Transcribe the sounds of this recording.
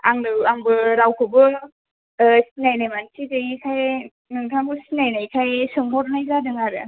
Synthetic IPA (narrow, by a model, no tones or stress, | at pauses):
a̰ŋnɯwaŋbɯɾawkʰɯbɯ | sinajnajmansidɯikʰaj | nɯŋtʰaŋbɯsinajnajkʰajsɯŋmɔɾnajzadɯŋaɾɯ̰